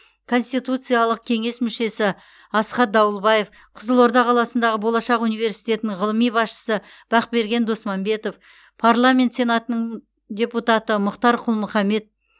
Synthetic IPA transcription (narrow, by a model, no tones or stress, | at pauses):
kʰo̞nst̪ijt̪ut̪sɨjalˠəq̚kʲʰe̞ŋe̞smʏʃe̞sɪ | ɑsqɑt̪̚d̪ɑwəlˠbɑje̞f | qʰʊzəlˠo̞ɾd̪ɑqʰɑlˠɑsənd̪ɑʁəbo̞lˠɑʃɑqunijve̞ɾsijt̪ʲe̞t̪ɪnɪɴʁəlˠəmijbɑsʃə̥sə | b̥ɑqbe̞ɾɡʲe̞nd̪o̞smɑmbe̞t̪o̞f | pʰaɾlˠamʲe̞nt̪se̞nat̪ənəɴ | d̪ʲe̞put̪at̪əmʊqt̪ɑɾqʰʊlˠmʊχɑme̞t̪̚